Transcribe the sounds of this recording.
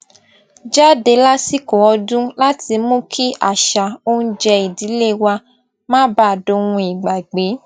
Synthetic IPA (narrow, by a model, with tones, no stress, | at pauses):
d͡ʒa˦de˧˦la˦si˦ko˨ɔ˧dũ˦la˦ti˧mũ˦kʰi˦ʔa̰˨ʃa˨o˦ñ̩˦d͡ʒɛ˧i˨di˨˦le˦wa˧ | mã˦ba˦˨do˧ũ˧i˨ɡ͡ba˨ɡ͡be˨˦